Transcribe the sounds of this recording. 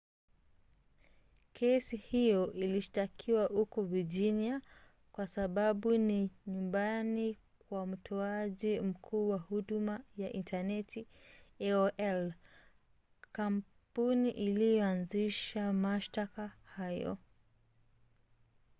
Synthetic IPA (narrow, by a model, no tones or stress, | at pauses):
kʰɛsihijɔʔiliʃtakʰiwahukɔviʄinia | kwasaɓaɓuniɲumbani | kwam̩tʰɔaʄim̩kʰuːwahuɗumajaʔintanɛtiɛɔʔɛl | kam | puniʔilijɔanziʃamaʃtakahajɔ̰